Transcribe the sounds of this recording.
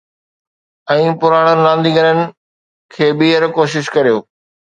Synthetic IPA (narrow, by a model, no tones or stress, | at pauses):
ɛ̃ːpʊɾaːɽ̃ənɪlãːnd̪iɡɐɾənɪ̆ | kʰeːɓiːəɾkoːʃɪʃkɐɾijoː